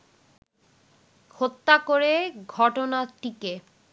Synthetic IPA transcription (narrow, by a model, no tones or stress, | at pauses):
hot̪ːakoɾeɡʱɔʈonaʈike